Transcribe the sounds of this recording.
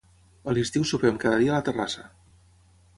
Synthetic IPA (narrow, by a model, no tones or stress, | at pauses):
əlist̪iwsupɾɛmkaðəðiələt̪ərasə